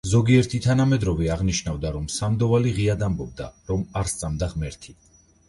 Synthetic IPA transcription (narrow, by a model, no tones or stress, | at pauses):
zɔɡiɛɾt̪ʰit̪ʰanamɛd̪ɾɔvɛaʁniʃnavd̪aɾɔmsamd̪ɔvaliʁiad̪ambɔb̚d̪aɾɔmaɾst̪sʼamd̪aʁmɛɾt̪ʰi